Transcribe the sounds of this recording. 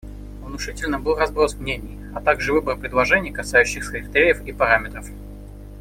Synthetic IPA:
vnʊʂɨtʲɪlʲnəbɨlˠrɐzbɾosmnʲenʲɪj | ɐt̪aɡʐɨvɨbərpɾʲɪd̪lˠɐʐɛnʲɪjkɐsajʉɕːɪxsəixt̪ɾʲejəfipɐɾamʲɪt̪ɾəf

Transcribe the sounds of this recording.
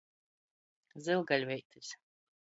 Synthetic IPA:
zɨlˠɡalʲvɛjt̪ɨsʲ

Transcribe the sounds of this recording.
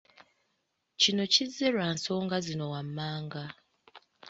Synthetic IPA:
cino̞cizːeɾwaːnso̞ːŋɡazino̞wamːaːŋɡa

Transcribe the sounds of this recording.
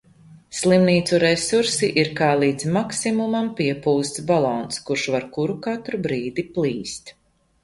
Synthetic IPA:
slˠimniːt̪suɾɛsuɾsiʔiɾkaːlˠiːd̪zmaksimumampiɛpuːst̪sbalˠɔːnskuɾʃvaɾkuɾukat̪ɾubɾiːd̪iplˠiːst̪

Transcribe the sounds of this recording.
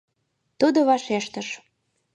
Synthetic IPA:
t̪ud̪oβɑʃeʃt̪ə̆ʃ

